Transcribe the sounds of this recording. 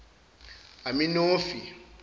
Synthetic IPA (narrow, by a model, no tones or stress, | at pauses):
amĩnofi